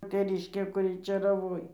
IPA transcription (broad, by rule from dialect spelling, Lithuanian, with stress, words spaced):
tʲɛˈrʲɪʃʲkʲeː kʊˈrʲɪ t͡ʃʲeːrɐˈʋoːj